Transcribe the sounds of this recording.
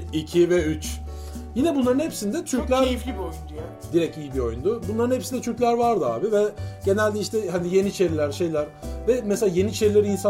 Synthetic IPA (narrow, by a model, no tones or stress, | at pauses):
icʰivɛyt͡ʃ | jinɛbunlˠaɾɯnhepsind̪ɛt͡ʃ̪ʰyɾclʲæɾojund̪u | d̪iɾɛcijibio̞̰jund̪ʊbunlˠaɾɯnhe̞psind̪ɛt͡ʃʰyɾcʲlʲæɾvaɾd̪ɯa̰ːbivɛɟ̥e̞nælʲd̪ɛiʃt̪ʰɛhanije̞niːt͡ʃʰe̞ɾilʲæɾʃe̞jlʲæɾvɛmɛselʲaːje̞nit͡ʃʰe̞ɾilʲɛɾinsa